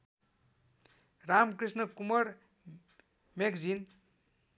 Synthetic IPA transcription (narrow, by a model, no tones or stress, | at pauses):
ramkrisnʌkumʌɾ | mekd͡zin